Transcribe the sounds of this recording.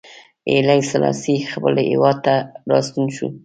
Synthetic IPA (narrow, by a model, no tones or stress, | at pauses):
elajsalɑ̰sixapəlɪwɑd̪̚t̪aɾɑst̪unʃṵ